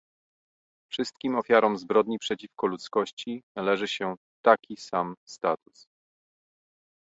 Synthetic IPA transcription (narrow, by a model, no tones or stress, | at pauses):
fʂɘst̪kʲimɔfʲjaɾɔmzbɾɔd̪ɲipʂɛt͡ɕifkɔlut̪skɔɕt͡ɕinalɛʐɘɕɛ | t̪akʲisamst̪at̪us